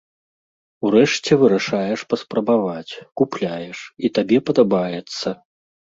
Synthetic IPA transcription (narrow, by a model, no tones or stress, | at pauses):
uɾɛʂt͡sʲɛvɨɾaʂajɛʂpɐspɾɐbavat͡sʲkuplʲajɛʂit̪abʲɛpɐd̪abajɛt̪sːɐ